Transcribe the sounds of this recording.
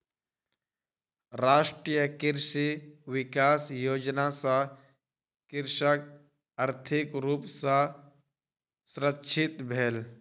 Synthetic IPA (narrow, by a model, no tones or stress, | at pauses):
ɾaːʃʈɾijəkɪɾʃiʋɪkaːsjoːd͡ʒnasã | kɪɾʃək̚ | əɾt̪ʰɪkɾuːpsã | sʊɾətːʃʰɪt̪bʱeːl